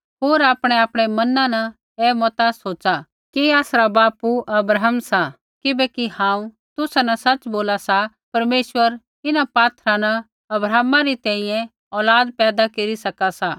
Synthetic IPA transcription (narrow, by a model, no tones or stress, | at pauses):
ɦoːɾaːpɽ̃eaːpɽ̃emɐnãnɐ | eːmɔt̪asoːt͡ʃa | kiaːsɾabaːpuʔɐbɾaɦəmsa | kɪbɛkihãːũ | t̪ʊsanɐsɐt͡ʃboːlasa | pɐɾmeːʃʋəɾ | ɪnapaːt̪ʰɾanɐ | ɐbɾaːmãɾit̪ɛ̃ːĩjɛ̃ | ɔːlaːd̪̚pɛːd̪akeɾisɐkasaː